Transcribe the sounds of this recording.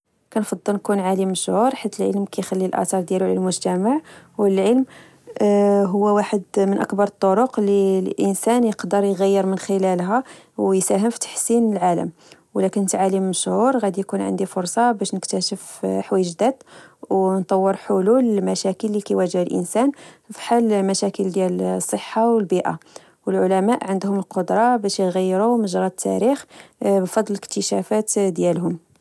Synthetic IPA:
kænfɑd̪ˤːəlnkunʕalimːəʃhuɾħit̪ːəlʕə̰lmkæjxælːilʔæ̰t̪ɑɾˤd̪jæluʕlæ̰lmʊʒt̪æmaʕwəlʕəlm | ɦʊwːæwaħəd̪mənʔə̰kbɑɾˤt̪ˤːoɾoqlilʔənsænjəqd̪əɾˤjɣæjːəɾmənxəlælɦæ | wjsæɦəmfi̥t̪ḁħsinlʕalə̰mwlækənːt̪ʕalimːəʃhuɾɣæd̪ijkunʕə̰nd̪ifʊɾˤsˤɑbæʃnəkt̪æʃəfħwæjəʒd̪æd̪wnt̪ˤɑwːəɾˤħʊlulmæʃækəlːikæjwæʒəbəlʔə̰nsænfi̥ħalmæʃækəld̪jælsˤːəħːawəlbiʔa̰ | wəlʕʊlæmæʔʕənd̪hʊməlqod̪ɾˤɑbæʃjɣæjːɾuməʒɾˤɑt̪ʰːæ̰ɾixbfɑd̪ˤlələk̚t̪əʃæfæt̪d̪jælɦʊm

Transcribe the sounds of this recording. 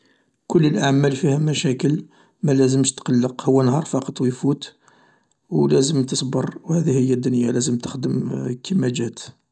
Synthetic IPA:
kʊlːəlʔaʕmælfihæmæʃækəl | mælæzəmʃt̪qɑlːəqhʊwːænhɑɾˤfɑqɑt̪ˤwəjfut̪ | wlæzəmt̪əsˤbərˤwhæd̪ihəjːæd̪ːʊnjalæzəmt̪ə̥xd̪əmkəmæd͡ʒæt̪

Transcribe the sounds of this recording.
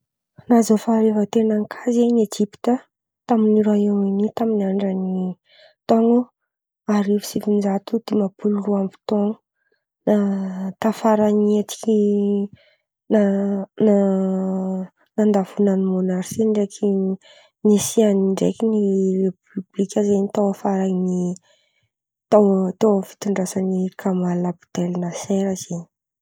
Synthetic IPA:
nazofaɾevət̪enaŋkʰazajned͡ʒipi̥t̪ə | t̪aminiɾaewinit̪aminaɳɖ͡ʐəni | t̪ɔŋu | aɾifi̥sifinizat̪ud̪̥imapululuampi̥t̪oŋə | nat̪afaɾaniat͡ʃi̥ki | nana | nand̪avunanimonaɾsiɳɖ͡ʐekʰʲi | nisianiɳɖ͡ʐḛkʲinirepyblikʲəzenit̪awafaɾaŋni | t̪at̪awfi̥t̪uɳɖ͡ʐasanikʰamalabu̥t̪elinaseɾaz̥eɲi

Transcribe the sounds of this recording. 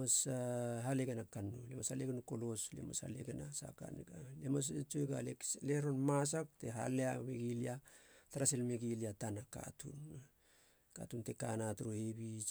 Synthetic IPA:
asaɦaleɡenakanːulemashaleɡenukoloslḛmasha̰leɡenasa̰ka̰nɡalemast͡ʃojɡalekleɾonmas̬ak̚teɦa̰leameɡiliataɾaselmeɡiliatanaka̰tʰṵn | ka̰tuntekanatuɾohebi

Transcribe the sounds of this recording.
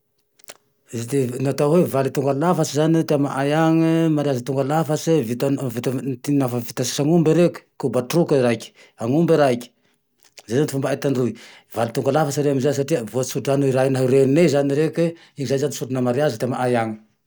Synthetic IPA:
zd̪enat̪awevalit̪uŋɡalafasizanit̪eamaʔajaŋəmaɾiazat̪uŋɡalafasivit̪avit̪at̪inafavit̪asi̥saŋumbiɾekʲu̥kubaʈ͡ʂrukaiɾaikʲə̥ | aŋumbiɾaikʲə̥ | zajzanifumbaat̪anrui | valit̪uŋɡalafasiɾeamizas̬aʈ͡ʂiəvosuɖ͡ʐanuiɾainaɦiɾennezaniɾeki | iɲizajzanisuɖ͡ʐunəmaɾiazat̪eama̰ʔajaŋə

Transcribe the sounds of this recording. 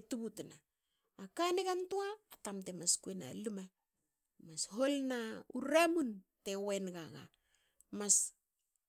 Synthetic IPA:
tubutnaː | kaneɡantuaːtamtemaskuena̰luma | masho̞lnauɾamunte̞we̞nɡaɡa̰ | mas

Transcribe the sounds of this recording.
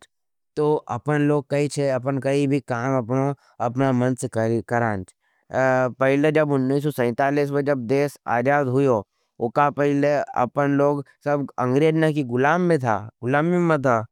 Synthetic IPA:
t̪oːʔɐ̰pənloːɡ̚kɐit͡ʃʰeɐpənkɐibʱikaːmɐpno | ɐpnamɐ̃nsekɾkɐɾaːnt͡ʃ | pɛɦɪled͡ʒɐbʊnːiːs̬ːɔsɛ̃ːt̪aːliːs̬med͡ʒɐb̚d̪eːsa̰ːd͡ʒaːd̪ɦʊjo | ʊkapɛɪleɐ̰pənloːɡ | sɐbɐ̃ŋɡɾeːd̪nakiɡʊlaːmːẽt̪ʰa̰ːɡʊlaːmːimẽt̪ʰaː

